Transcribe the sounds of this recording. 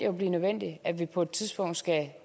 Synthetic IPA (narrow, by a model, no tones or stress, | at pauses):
ob̥liːnøʋen̰d̥iæʋipʰɒ̽e̝d̥̚t͡sʰiðˠsb̥ɔ̽ŋ̰d̥sɡ̥æ